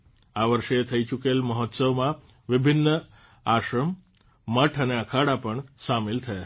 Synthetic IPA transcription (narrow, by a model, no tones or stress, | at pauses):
aʋəɾʃet̪ʰəit͡ʃukelməɦɔt̪səʋmã | ʋɪbʱɪnːə | aʃɾəm | məʈʰəneəkʰaɽapəɳsamelt̪ʰəja